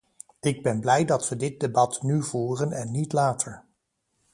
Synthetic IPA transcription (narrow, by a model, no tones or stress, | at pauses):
ɪɡ̚bɛnblɛjdɑtʋədɪt̚debɑtnyv̥uːrənɛnːitlaːtʰəɹ